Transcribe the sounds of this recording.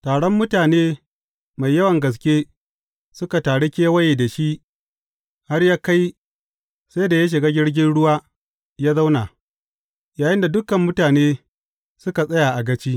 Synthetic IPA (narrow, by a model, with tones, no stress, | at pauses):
taː˨ɽɔ˦mːʊ˦taː˨neː˦ | ma˨jːɐ˦wɐ˨ŋɡɐ˨s̬kʲeː˦ | sʊ˦ka˨taː˨ɽe˦kʲeː˦wɐ˦jeː˨da˨ʃi˦ʔ | ha˦rjaː˦ka˦j | sa˦jda˨ja˦ʃ̬ɪ˨ɡaː˦ɡʲɪ˦ɽɡʲɪ˦nɽʊ˦waː˦ | jaː˦za˦wna˨ | jaː˨jɪ˦nda˨dʊ˦kɐ˨mːʊ˦taː˨neː˦ | sʊ˦ka˨sʼɐ˦ja˨ʔa˨ɡɐ˦t͡ʃiː˦